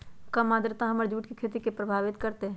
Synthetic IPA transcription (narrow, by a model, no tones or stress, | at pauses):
kɐmːaːd̪ɾət̪ãɦɐməɾd͡ʒuːʈkikʰeːt̪ikepɾɐbʱaːʋɪt̪kɐɾt̪e